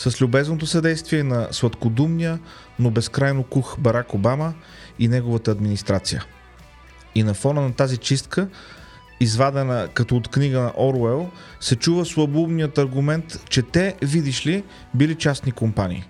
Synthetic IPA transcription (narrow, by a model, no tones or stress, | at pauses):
səslʲʊbɛznot̪osɐd̪ɛjst̪viɛnɐsvɐt̪kod̪umnijə | nobɛskɾajnokuxbɐɾakobamə | inɛɡovət̪əːd̪minist̪ɾat̪sijə̰ | inɐfɔnənɐt̪azit͡ʃist̪kə | izvad̪ɛnəkɐt̪ɔot̪kniɡənɐ̰ʔɔɾɛlˠsɛt͡ʃuvəslˠɐbubnijət̪ɐɾɡʊmɛnt̪t͡ʃɛt̪ɛvid̪iʃli | bilit͡ʃasnikompanʲḭː